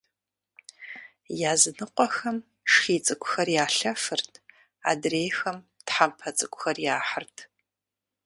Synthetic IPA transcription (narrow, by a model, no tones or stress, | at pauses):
jaːzɨnɨqʷɔxɐm | ʂxiːt͡sʼɨkʷʼxɐrjaːɬɐfɨrtʰ | a̰drejxɐm | tħampʰɐt͡sʼɨkʷʼʊxɐrjaːħərtʰ